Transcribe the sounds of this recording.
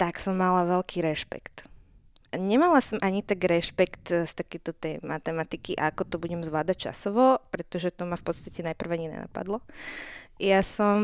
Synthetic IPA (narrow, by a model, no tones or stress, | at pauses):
t̪aksɔmːalaʋɛlkiːɾɛʃpɛ̰kt̪ | ɲɛmalasɔmʔaɲit̪aɡɾɛʃpɛkt̪st̪akɛjt̪ɔt̪ɛjmat̪ɛmat̪ikiʔaakɔt̪ɔbuɟɛmzʋlaːd̪ac̚t͡ʃa̰sɔʋɔpɾɛt̪ɔʒɛt̪ɔmafpɔt̪st̪acɛnajpr̩ʋaɲinɛ̰na̰pa̰d̪lɔ | jasɔm